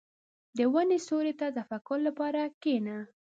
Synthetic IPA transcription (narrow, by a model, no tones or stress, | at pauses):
d̪əwanesoɾet̪at̪afakʊɾlapɑɾakena